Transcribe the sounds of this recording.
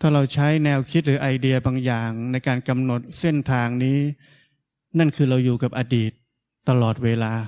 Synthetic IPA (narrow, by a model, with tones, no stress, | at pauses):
t̪ʰaː˥˩ɾa˧wt͡ɕʰa˦˥jnɛː˧wkʰi˦˥t̪̚ɾɯː˩˦ʔa˧jdi˧ɐbaː˧ŋjaː˨˩ŋna˧jkaː˧nka˧mno˨˩t̪̚se˥˩nt̪ʰaː˧ŋniː˦˥ | na˥˩nkʰɯː˧ɾa˧wjuː˨˩ka˨˩p̚ʔaː˧diː˨˩t̪̚ː | a˧lɔː˨˩t̪̚weː˧laː˧